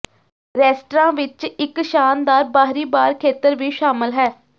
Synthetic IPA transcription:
ɾɛːsʈɾãːʋɪt͡ʃɪkʃaːnd̪aːɾbaːɦɾiːbaːɾkʰeːt̪əɾʋiːʃaːmɪlɦɛː

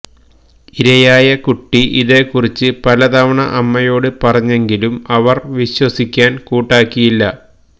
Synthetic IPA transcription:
iɾɐjaːjɐkuʈːiʔiðe̞ːkːurit͡ɕːɨpɐlɐd̪ɐʋɐɳɐʔɐmːɐjo̞ːɽɨpɐrɐɲːe̞ŋɡilumɐʋɐrʋiɕwɐsikʲːaːnkuːʈːaːkːijilːɐ

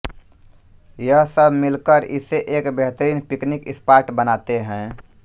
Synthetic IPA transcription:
jəɦsəbʱmɪlkəɾɪ̰seʔeːkbeɦt̪əɾiːnpiknikɪspaːɾʈbənat̪eɦɛ̃

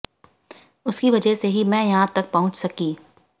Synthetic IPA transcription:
ʊskiʋɐd͡ʒɛseɦimɛ̃jɐɦãt̪ɐk̚pɐɦʊ̃t͡ʃsɐkiː

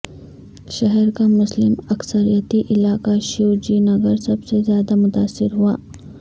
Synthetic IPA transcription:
ʃɐɦɛɾkamʊslɪmɐksəɾijət̪iʔɪlaːkaʃɪwd͡ʒiːnɐɡəɾsɐbsezjaːd̪amʊt̪aːsːɪɾɦua̰ː

